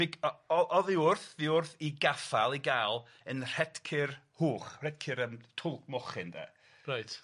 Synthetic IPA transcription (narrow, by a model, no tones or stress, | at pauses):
vɪɡɔɔʔɔðɪʊrθðɪʊrθiɡafalˠiɡaːlˠ | ənr̥ɛd̥kʰɪrhuːχr̥ɛd̚kʰɪɾəmtʰʊlˠkʰmɔχɪndɛ̰ː | rajt